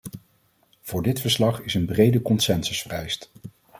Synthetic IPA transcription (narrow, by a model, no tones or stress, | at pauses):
v̥ʊːɹdɪtfəɹslɑχɪsənbrejdəkɔnsɛnsəsfərɛjst